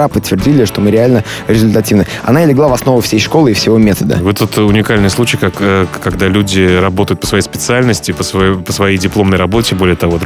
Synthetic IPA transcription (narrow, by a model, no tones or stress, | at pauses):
apət̪ʲːvʲɪrdʲilʲɪʂt̪o̞mɨɾʲɪalʲnə | ɾʲɪzʲʊlʲt̪ɐtʲivnə | ɐ̰naɪlʲɪɡlˠavɐsno̞vʊfsʲejʂko̞lˠɨifsʲɪvo̞mʲet̪əd̪ə̰vɨt̪ːot̪ʊnʲɪkalʲnɨjslˠut͡ɕɪjkakkaɡd̪alʲudʲɪrɐbo̞t̪əjʊt̪̚pəsvɐjejspʲɪt̪sɨalʲnəsʲtʲɪpəsvpəsvɐjejdʲɪplˠo̞mnəjrɐbo̞tʲɪbo̞lʲɪjət̪ɐvo̞d̪